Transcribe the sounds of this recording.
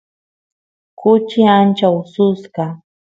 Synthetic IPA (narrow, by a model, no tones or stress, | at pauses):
kʊt͡ʃɪant͡ʃawsʊskɑ